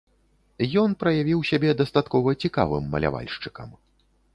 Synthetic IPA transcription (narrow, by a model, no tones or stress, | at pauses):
jɔnpɾɐjavʲiwsʲabʲɛd̪ɐst̪at̪kɔvɐt͡sʲikavɨmːɐ̰lʲa̰va̰lʲʂt͡ʂɨ̥kɐ̰m